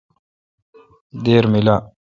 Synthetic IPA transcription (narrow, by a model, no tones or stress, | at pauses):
d̪eːɾmila